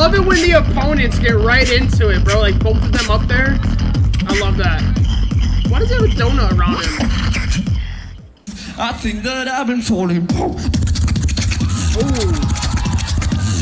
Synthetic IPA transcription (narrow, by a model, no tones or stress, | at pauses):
aɪlʌvɨt̚wɨ̃ððiɨpʰõʊ̃nɨ̃ntsɡ̥ɛt̚ɹaɪɾɪ̃ntʰʉɪt̚b̥əlaɪk̚b̥oʊθʌvðɨ̃mʌp̚ðə˞ | aɪlʌvðæt̚ | wʌt̚d̥ʌzɪvɨdõʊ̃nəəɹãʊ̃nɨt | ʔaɪθɪ̃ŋk̚ðɨɾaɪbɨ̃ntʰɔlˠɪ̃ŋbo | o